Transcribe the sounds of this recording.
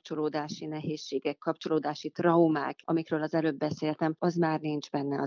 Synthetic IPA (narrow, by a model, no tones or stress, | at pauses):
t͡ʃo̞loːd̪aːʃinɛɦeːʃːeːɡɛkːɒpt͡ʃo̞loːd̪aːʃit̪rɒuma̰ːkʔɒ̰mikɾøːlɒzɛløːbːɛseːlt̪ɛmɒzmaːrnind͡ʒbɛnːɛɒ